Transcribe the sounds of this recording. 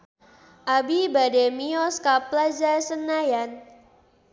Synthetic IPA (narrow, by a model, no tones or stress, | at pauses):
ʔabibadɛmiɔskaplad͡ʒasənajan